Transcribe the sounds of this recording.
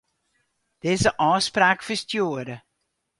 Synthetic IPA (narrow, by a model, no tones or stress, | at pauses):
d̥ɪːzəʔɑːspraːkfəstjuːəɾə